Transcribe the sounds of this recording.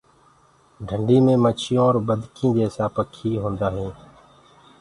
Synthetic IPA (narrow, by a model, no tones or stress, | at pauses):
ɖʱəɳɖiːmẽːmət͡ʃʰɪjõːɾbəd̪ʱkʰĩːd͡ʒeːsaːpəkʰiːɦõːnd̪aːɦĩː